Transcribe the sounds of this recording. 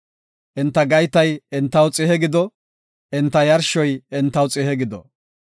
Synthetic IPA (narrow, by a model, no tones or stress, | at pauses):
ʔɪnt̪ːɐɡɐjt̪ɐjɪnt̪ːɐwt͡sʼɪhɛɡɪd̪ɔ | ʔɪnt̪ːɐjɐɾʃɔjɪnt̪ːɐwt͡sʼɪhɛɡɪd̪ɔ̰